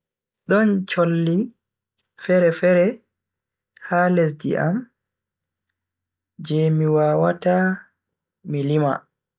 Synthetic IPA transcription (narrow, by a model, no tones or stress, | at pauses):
ɗɔnt͡ʃolːi | fɛɾɛfɛɾɛ | hales̬dḭʔa̰m | d͡ʒɛmiwaːwata | milima̰